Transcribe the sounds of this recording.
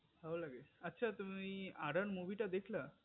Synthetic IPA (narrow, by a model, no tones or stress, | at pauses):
ɦalaɡeətːɕʰat̪um̤iːaɽəɳmuʋiʈad̪ekʰla